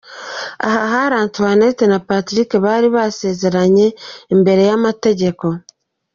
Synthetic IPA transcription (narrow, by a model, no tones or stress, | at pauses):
a̰haɦaɾaːntuane̞tenapatɾikeβaɾiβase̞ːze̞ɾaɲe̞ːmbe̞ɾe̞jamate̞ɟe̞ko̞